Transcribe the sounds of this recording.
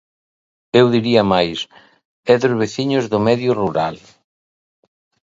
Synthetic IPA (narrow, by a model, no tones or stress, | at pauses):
ewðiɾiɐmajs | ɛðʊzβeθiɲʊzðʊmɛðjʊruɾa̰l